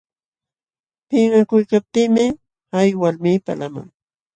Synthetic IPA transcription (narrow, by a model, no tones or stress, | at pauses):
pɪŋakʊjkap̚t̪iːmɪ | ajwalmiːpa̰lama̰ŋ